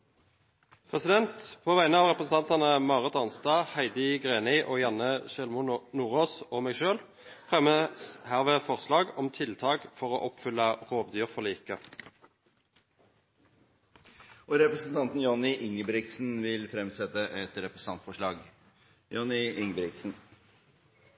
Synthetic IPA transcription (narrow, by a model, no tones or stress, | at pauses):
pʰʁɛsɪd̪ɛnt̪pʰoːʋæɪnəɑːʋʁɛpʁəsn̩ɑnt̪ɑnəmɑːʁət̪ɑnst̪ɑːhæɪd̪ɪɡʁeːnɪʔoːjɑnəʃɛlmʊnuːʁoːsoːmeːɡʃøːl | fʁɛməhæʁʋeːfɔʁslɑːɡɔmt̪ʰɪlt̪ʰɑːɡfɔʁo̰ːʔɔpfʏlːɑʁoːʋd̪yːʁfɔliːkə | ɔɾɛpɾəsn̩t̪ʰɑnt̪n̩jɔnɪʔɪŋːəbɾɪksn̩ʋɪlfɾɛmsɛt̪ːəʔɛt̪ɾɛpɾəs̩ɑnt̪fɔʂɭɑːɡ | jɔnɪɪŋəbɾɪksn̩